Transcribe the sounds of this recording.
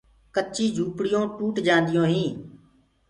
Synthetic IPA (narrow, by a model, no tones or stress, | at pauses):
kət͡ʃiːd͡ʒʱuːpɽɪjõːʈuːʈd͡ʒãːnd̪ɪjõːɦĩː